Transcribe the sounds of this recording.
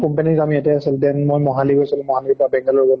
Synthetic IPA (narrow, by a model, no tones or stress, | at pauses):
kɔmpenikamiɛtɛasiltɛnmojmɔɦaliɡojsɔlɛmɔɦalipabɛŋɡalɔɹɡɔl